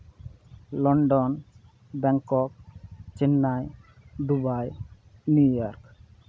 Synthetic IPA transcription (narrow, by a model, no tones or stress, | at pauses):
lɔɳɖɔn | bɛŋkɔk̚t͡ʃɛnːajd̪ubaj | njujɔɾk